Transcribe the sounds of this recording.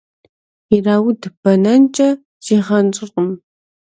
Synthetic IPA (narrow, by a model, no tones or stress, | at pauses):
iraːwʊdɨpʰɐnɐnt͡ʃʼɐ | z̥iːʁɐnt͡ʃʼɪrqəm